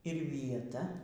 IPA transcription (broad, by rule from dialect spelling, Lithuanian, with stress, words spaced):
ɪr ʋʲiɛˈtɐ